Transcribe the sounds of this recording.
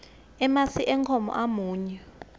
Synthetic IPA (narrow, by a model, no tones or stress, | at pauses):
ɛmasiʔɛŋkʰɔmɔ̰ʔamuːɲɛ